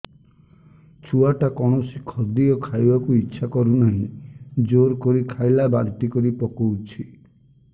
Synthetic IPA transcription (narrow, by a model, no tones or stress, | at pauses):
t͡ʃʰuaʈakɔɽ̃ɔsikʰɔd̪iɔkʰajbakuitːʃʰakɔɾunanĩd͡ʒoɾkɔɾikʰajlabaɾt̪ikɔɾipɔkɔwt͡ʃʰi